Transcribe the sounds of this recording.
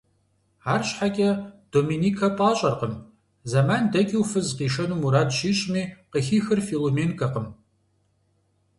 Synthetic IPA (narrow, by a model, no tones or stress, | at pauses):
aːrɕħakʲʼɐd̥oːminiːkʰɐpʼaːɕʼɐrqəm | zamandɐkʲʼiwfɨzqiːʂɐnumuɾaːdʃiːɕʼmiːqəxiːxɨrfiloːmeːnkʼɐqəm